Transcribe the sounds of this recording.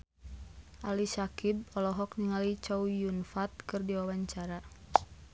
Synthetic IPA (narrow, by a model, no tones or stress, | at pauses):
ʔalisakib̚ɔlɔɦɔk̚niŋalit͡ʃaujunfat̪̚kɨrdiwawaɲt͡ʃaɾa